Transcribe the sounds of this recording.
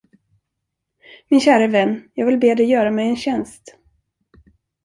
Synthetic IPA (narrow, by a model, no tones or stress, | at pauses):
mɪnɕæːɾəvɛnːjɑːɡvɪlbeːd̪ɛjœːɾamɛjɛnɕɛnst̪